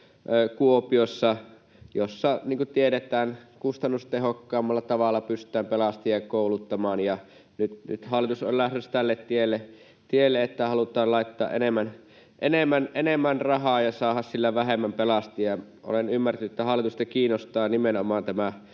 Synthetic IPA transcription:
kuopiosːɑ | josːɑniːŋkut̪ieɾet̪ˑæːnkust̪ɑnːust̪ehokːɑːmːɑlːɑt̪ɑʋɑlːˑɑpyst̪ˑæːmpelɑst̪ijɑjkoˑulut̪ːɑmɑːnjɑ | nyt̪ny̰t̪hɑlːˑit̪uso̰llæhtest̪ælːet̪t̪ielːe | t̪ielːeet̪ːæhɑlut̪ˑɑːlɑˑit̪ːɑːʔʔenemːæn | ʔenemːænʔenemːænrɑhɑːjɑsɑːhɑssilːæʋæhɦemːæmpelɑst̪ijɑ | ʔo̰lenymːært̪ænyet̪ːæhɑlːˑit̪usit̪ɑkiːnːost̪ɑːnimenomɑːnt̪æmæ

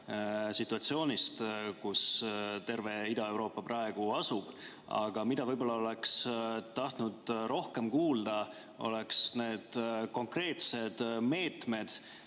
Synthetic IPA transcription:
sit̪ˑːuɑt̪sio̞ːnʲist̪kust̪e̞rve̞id̪ɑe̞wɾo̞ːpːɑprʔɑe̞ɡ̥uɑsub̥ | ɑ̰ɡ̥ɑmid̪ɑvɤjbo̞lːɑo̞le̞kst̪ɑht̪nud̪̥ro̞hke̞mkuːld̪̥ɑ | o̞̰le̞ksne̞ːd̪̥ko̞ŋkre̞ːt̪se̞d̪̥me̞ːt̪me̞d̪̥

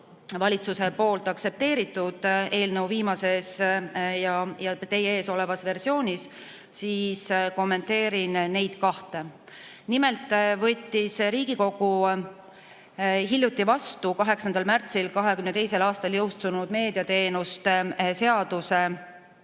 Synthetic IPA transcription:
vɑlʲit̪suse̞po̞ːlt̪ˑɑk̚se̞p̚t̪e̞ːɾit̪ˑːud̪̥e̞ːlnəwviːmɑse̞sjɑjɑt̪e̞jee̞ːso̞le̞vɑsve̞rsio̞ːnʲis | siːsko̞mːe̞nt̪e̞ːɾinne̞jd̪̥kɑht̪e̞ | nime̞lt̪ˑvɤt̪ʲːisɾiːɡ̥iko̞ɡ̥u | ɦilʲːjut̪ˑːivɑst̪ukɑɦe̞ksɑnd̪̥ɑlmært̪silkɑɦe̞kymnet̪e̞jse̞lɑːst̪ɑljɤwst̪unud̪̥me̞ːd̪iɑt̪e̞ːnust̪se̞ɑd̪̥use̞

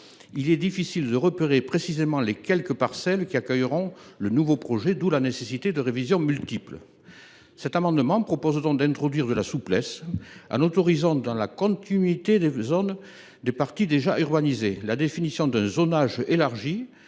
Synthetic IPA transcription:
ilɛd̪ifisild̪əʁəpeʁepχesizemɑ̃lekʲɛlkəpaʁsɛlkʲiakœjʁɔ̃lənuvopχɔʒed̪ulanesesit̪ed̪əʁevizjɔ̃mylt̪iplə | sɛt̪amɑ̃d̪əmɑ̃pχɔpɔzd̪ɔ̃k̚d̪ɛ̃t̪χɔd̪ɥiʁd̪əlasuplɛsɑ̰̃not̪ɔʁizɑ̃d̪ɑ̃lakɔ̃t̪inɥit̪ed̪ezɔn | d̪epaʁt̪id̪eʒaʔyʁbanizelad̪efinisjɔ̃d̪ɛ̃zɔnaʒelaʁʒi

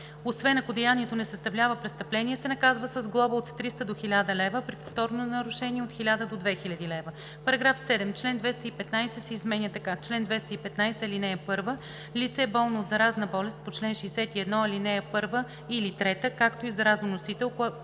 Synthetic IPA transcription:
osvɛnɐkod̪ɛjaniɛt̪onɛsɐst̪ɐvlʲavəpɾɛst̪əplɛniɛsɛnɐkazvəsəzɡlˠɔbəot̪ːɾist̪əd̪oxilʲad̪əlɛvəpɾipo̥ft̪ɔɾnonɐɾʊʃɛniɛot̪xilʲad̪əd̪od̪vɛxilʲɐd̪ilɛvə | pɐɾɐɡɾafsɛd̪ɛmt͡ʃlɛnd̪vɛst̪əipɛt̪najsɛsɛizmɛnjət̪ɐkat͡ʃlɛnd̪vɛst̪əipɛt̪najsɛlinɛjəpɤɾvə | lit̪sɛbɔlˠnoːtd̪zɐɾaznəbɔlɛst̪̚pot͡ʃlɛnʃɛjsɛt̪iɛd̪nɔɐlinɛjəpɤɾvə | ilit̪ɾɛt̪əkakt̪oizɐɾaznonosit̪ɛlˠk

